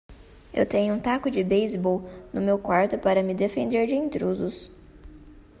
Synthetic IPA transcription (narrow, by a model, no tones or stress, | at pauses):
ḛwt̪ẽɲʊũt̪akʊd͡ʒɪbejzbɔwnʊmewkwaɾt̪ʊpaɾɐmɪd̪efẽnd̪eɾd͡ʒɪĩnt̪ɾuzʊs